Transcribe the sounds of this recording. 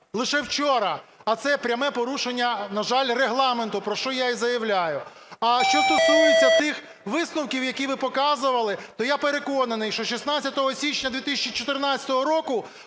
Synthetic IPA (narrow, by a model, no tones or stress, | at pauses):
lˠɪʃɛwt͡ʃɔɾɐɐt̪sɛpɾʲɐmɛpɔɾuʃenʲːɐnɐʒɑlʲreɦlˠɑment̪ʊpɾɔʃt͡ʃɔjaizɐjɐwlʲajʊ | ɐʃt͡ʃɔst̪ɔsujet͡sʲːɐt̪ɪx | ʋɪsnʊwkʲiwjɐkʲiʋɪpɔkɑzʊʋɐlˠɪt̪ɔjapeɾe̞kɔnɐnɪjʃt͡ʃɔʃisnat͡sʲːɐt̪ɔɦɔsʲit͡ʃnʲɐd̪ʲʋʲit̪ɪsʲɐt͡ʃit͡ʃɔt̪ɪrnat͡sʲɐ̥t̪ɔɦɔɾɔkʊ